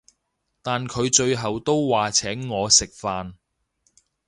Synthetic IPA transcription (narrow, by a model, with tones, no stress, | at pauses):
t̪aː˨nkʰɵ˨˧ɥt͡ʃɵ˧ɥɦɐ˨wt̪o˥wwaː˨t͡sʰɛː˨˥ŋːɔː˨˧sɪ˨k̚faː˧n